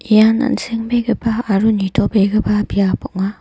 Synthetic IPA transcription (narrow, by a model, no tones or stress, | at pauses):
ijana̰nseŋbeɡɯbaːɾunitʰɔbeɡɯbabijapɔʔ̚ŋa